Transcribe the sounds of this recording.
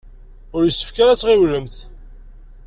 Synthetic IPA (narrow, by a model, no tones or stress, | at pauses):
ʊɾjəsːə̥fkæɾæt͡sːʁɪwləmθ